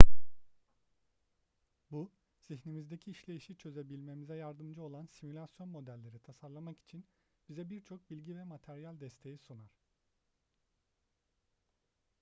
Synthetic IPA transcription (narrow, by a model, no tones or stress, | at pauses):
bu | z̥içnimizd̪e̞cʰiːʃlʲe̞jiʃit͡ʃʰø̞zɛbilʲme̞mizɛjaɾd̪ɯmd͡ʒɯo̞lˠansimulʲasjo̞nmo̞d̪ælʲːe̞ɾit̪ʰasaɾlˠamaki̥t͡ʃʰin | b̥izɛbiɾt͡ʃʰo̞k̚bilʲɟivɛmat̪ʰæɾijalʲd̪ɛst̪ʰe̞jisunaɾ̥